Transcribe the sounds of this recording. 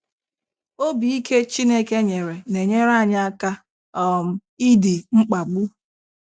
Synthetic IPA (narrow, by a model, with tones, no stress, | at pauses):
o˦bi˨i˦ke˦t͡ʃi˦ne˦ke˦ɲe˨ɾe˨ne˨ɲe˦ɾa˦˨ɲa˦a˦ka˦ | ɔ˦m̩˨i˦di˨ŋ͡m̩˦k͡pa˨ɡ͡bu˦